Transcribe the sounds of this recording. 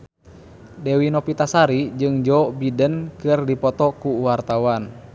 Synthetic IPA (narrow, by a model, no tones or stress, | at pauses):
dewinɔpit̪asaɾid͡ʒɨŋd͡ʒɔbidənkɨrdipɔt̪ɔkuwart̪awan